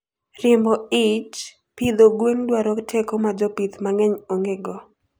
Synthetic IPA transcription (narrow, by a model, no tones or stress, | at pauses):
rɪmbɔit͡ʃ | pid̪oɡweŋdwaɾɔktʰɛkomad͡ʒɔpit̪maŋɛɲoŋɡeɡɔ